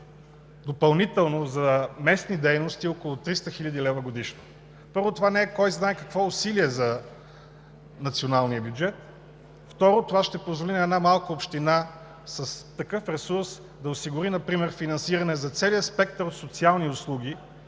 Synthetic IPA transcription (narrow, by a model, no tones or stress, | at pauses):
d̪opɐlˠnit̪ɛlˠnozɐmɛsnid̪ɛjnost̪iokolˠʊt̪ɾist̪əxilʲɐd̪ilɛvəɡod̪iʃno̥ | pɤɾvot̪ovanɛɛkɔjznaɛkɐkvɔʊsiliɛzɐ | nɐt̪sionalˠniəbʲjud͡ʒɛt̪ | ft̪ɔɾot̪ovaʃt̪ɛpozvolinɐɛdnamalˠkəopʃt̪ina | sɐst̪ɐkɤfɾɛsuɾs | d̪ɐosiɡʊɾinɐpɾimɛɾfinɐnsiɾɐnɛzɐt̪sɛlijəspɛk̚t̪əɾot̪sot̪sialˠniʊslˠuɡ̟ʲi